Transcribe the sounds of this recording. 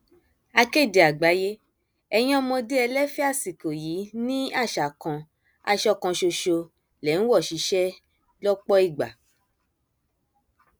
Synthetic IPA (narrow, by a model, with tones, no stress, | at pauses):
a˧ke˦˨de˨a˨ɡ͡ba˨˦je˦ | ɛ˧j̃ɔ̃˦˧mɔ̃˧de˦ɛ˧lɛ˦fi˦a˦˨si˨ko˨ji˨˦nĩ˦a˦˨ʃa˨kɔ̃˧ | a̰˧ʃɔ˧˨kɔ̃˧ʃo˧ʃo˧ | lɛ˨˦n̩˦wɔ˦˨ʃi˨˦ʃɛ˦ | lɔ˦k͡pɔ˦i˦˨ɡ͡ba̰˨